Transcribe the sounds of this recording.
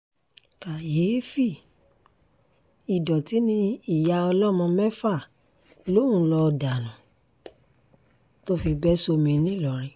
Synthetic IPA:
ka˨je˨˦fi˦˨ | i˨dɔ˨ti˨˦nĩ˦i˦˨ja˨˧ɔ˧lɔ˦˨mɔ̃˧mɛ˦fa˦˨ | lo˦ũ˦lɔ˧da˨nũ˨ | to˦fi˧bɛ˦so˧mĩ˧nĩ˦˨lɔ˨ɾ̃ĩ˨˧

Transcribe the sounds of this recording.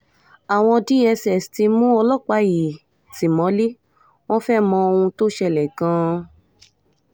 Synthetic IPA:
a˨w̃ɔ̃˧di˦ɛ˧sɛ˨sti˧mũ˦ɔ˧lɔ˦k͡pa˨˦ji˨ | si˨mɔ̃˨˦li˦ | w̃ɔ̃˦fɛ˦mɔ̃˧o˧ũ˧to˦ʃɛ˧˨lɛ˨kã˧˦

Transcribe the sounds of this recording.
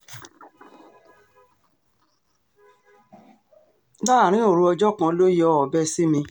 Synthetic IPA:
da˦a˨ɾ̃ĩ˨˦o˦˨ɾũ˧ɔ˧d͡ʒɔ˦kã˧lo˦ji˦ɔ˦ɔ˨bɛ˦si˦mĩ˧

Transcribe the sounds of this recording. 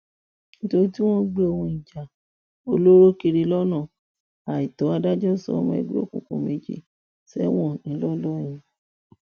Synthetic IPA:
n̩˦to˧ɾi˦ti˦w̃ɔ̃˦ɡ͡be˦o˧wũ˧i˨d͡ʒa˨ | o˧lo˦ɾo˦ki˧ɾi˧lɔ˦nã˦˨ | a˨i˨tɔ˨˦a˧da˦d͡ʒɔ˦˨sɔ̰˧˦˧m̃˧ɛ̰˧˨ɡ͡bḭ˦o̰˦˨kṵ̃˨kṵ̃˨˧me˧d͡ʒḭ˨ | sɛ̰˦w̃ɔ̃˦˨nĩ˨˦lɔ˦lɔ˦j̃ĩ˧

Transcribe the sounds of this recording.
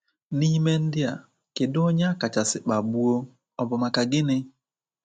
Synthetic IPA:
ni˦me˦n̩˦dɪ˦a˨ | kɪ˨do˦ɲa˦a˦ka˨t͡ʃa˨sɪ˨k͡pa˨bu˦o˦ | ɔ˨bʊ˨ma˨ka˨ɡɪ˦nɪ˦

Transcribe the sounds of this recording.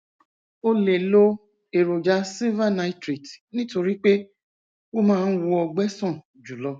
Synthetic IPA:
o˧le˨lo˦ | e˨ɾo˨d͡ʒa˦si˦vã˦˨na˧˦i˦tɾi˨tnĩ˦to˧ɾi˦k͡pe˦ | wo˦mãː˦˧n̩˦wu˧ɔ˧ɡ͡bɛ˦sɔ̃˦˨ | d͡ʒu˨lɔ˧˦

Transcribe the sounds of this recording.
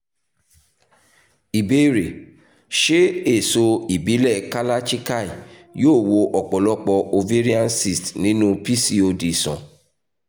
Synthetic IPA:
i˨be˦ɾe˨ | ʃe˦e˦˨so˧i˨bi˨˦lɛ˦˨ka˦la˦t͡ʃi˦ka˦˨i˨ | joː˦˨wo˧ʔɔ˨k͡pɔ˨lɔ˦k͡pɔ˧ʔo˧ve˦ɾi˦ã˦nsi˦˨stnĩ˨˦nũ˦pi˦si˧o˧di˨sɔ̰̃˨

